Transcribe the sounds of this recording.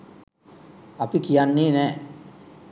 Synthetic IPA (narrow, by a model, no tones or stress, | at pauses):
apikijanːeːnɛː